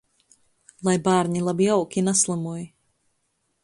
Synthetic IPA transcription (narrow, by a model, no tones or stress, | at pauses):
lˠajbaːɾɲilˠabijawkʲinaslˠamuɔj